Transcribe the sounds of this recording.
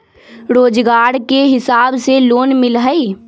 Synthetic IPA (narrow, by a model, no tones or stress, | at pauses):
ɾoːd͡ʒɡaːɾkeɦɪsaːbseloːnmɪlɦəi